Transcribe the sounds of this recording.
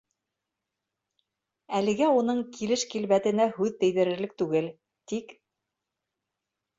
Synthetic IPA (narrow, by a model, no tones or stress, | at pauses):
ælɘ̆ɡæunɤɴkʰilɘʃkilβæt̪ɘ̆næhʉðt̪ɘ̆jðɘ̆ɾɘ̆ɾlɘk̚t̪ʉɡɘl | t̪ik